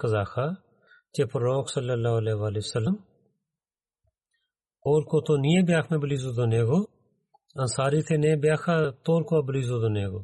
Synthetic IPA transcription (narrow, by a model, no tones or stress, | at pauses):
kəzaːkʰaː | t͡ʃeːpɾoːksəlːəlːaːɦleːʋaːleːəsələm | oːlkoːt̪oːniːẽːbɪjaːkʰmẽːbəliːzoːd̪oneːɡoː | ənsaːɾiːt̪ʰeːnẽːbɪjaːkʰaːt̪oːlkoːabəliːzoːd̪oneːɡoː